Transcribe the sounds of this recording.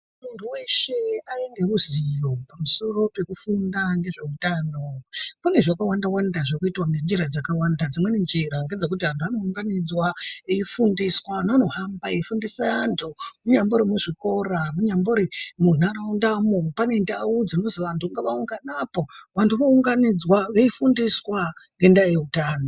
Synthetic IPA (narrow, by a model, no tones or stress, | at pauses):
muntʰuwe̞ʃe̞aiŋɡe̞ruzijo̞pamuso̞ro̞pe̞kufundaŋɡe̞ʐe̞utano̞kune̞ʐakawandawandaʐokuitwanend͡ʒiɾad͡zakawandad͡zimwe̞nend͡ʒeɾaŋɡed͡zak̬utiantʰuano̞uŋɡanid͡zwaeifundiswanano̞hambaeifundisaantʰumuɲamboɾimuʐiko̞ramuɲamboɾemunaɾaundamopane̞ndaud͡zino̞ziʋantʰuŋɡaʋauŋɡanapo̞ʋantʰuʋauŋɡanid͡zwaʋeifundiswaŋɡe̞ndajeutaːno